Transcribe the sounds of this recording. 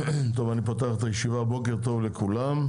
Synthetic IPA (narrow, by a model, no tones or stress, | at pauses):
t̪o̞vanipat̪aχt̪ajeʃivabo̞k̬eʁt̪̬o̞vle̞kʰulam